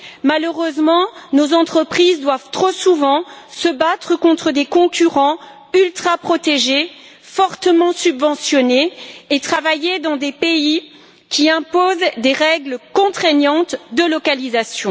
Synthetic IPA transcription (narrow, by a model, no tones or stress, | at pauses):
maløʁøzmɑ̃nozɑ̃t̪χəpχizd̪wavt̪χosuvɑ̃səbat̪χəkɔ̃t̪χəd̪ekɔ̃kʲyʁɑ̃ | ylt̪χapχɔt̪eʒe | fɔʁt̪əmɑ̃sybvɑ̃sjɔneːt̪χavajed̪ɑ̃d̪epei | kʲiɛ̃pozd̪eʁɛɡləkɔ̃t̪χɛɲɑ̃t̪d̪əlɔkalizasjɔ̃